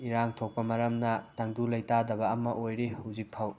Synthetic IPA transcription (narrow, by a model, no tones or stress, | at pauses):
iɾaŋtʰok̚pɐmɐɾɐmnɐtɐŋdulɐjtadɐbɐɐmɐʔojɾihawzik̚pʰɐw